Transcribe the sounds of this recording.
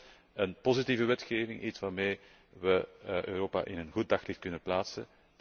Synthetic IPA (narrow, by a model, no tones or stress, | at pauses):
ənpozitiːvəʋɛtxeːvɪŋʔitsʋaːɾmeː | ʋəʔø̰ːɾoːpa̰ʔɪnənɣut̚dɑxlɪxt̚kɵnəplaːtsə̰